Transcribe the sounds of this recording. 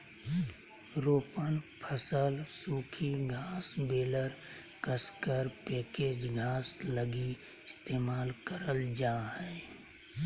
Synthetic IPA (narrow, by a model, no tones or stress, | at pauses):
ɾoːpənpʰəsəlsuːkʰiɡʱaːsbeːləɾ | kəskəɾpeːkeːd͡ʒɡʱaːsləɡi | ɪst̪eːmaːlkəɾəld͡ʒaːɦɛː